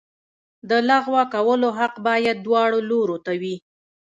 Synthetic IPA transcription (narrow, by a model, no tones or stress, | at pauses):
d̪əlaɣwakawəloɦaqbɑjad̪̚ːwɑɽoloɾot̪awi